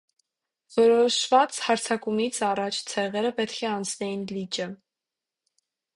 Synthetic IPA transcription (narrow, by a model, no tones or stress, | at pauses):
vɔɾɔʃvɑt͡shɑɾt͡sʰɑkumit͡sʰɑrɑt͡ʃʰt͡sʰɛʁɛɾəpɛt̪kʰɛɑnt͡sʰnɛjinlit͡ʃə